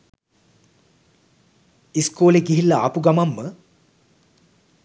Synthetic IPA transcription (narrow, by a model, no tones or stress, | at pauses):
iskoːleɡiɦilːɐapuɡɐmɐmːə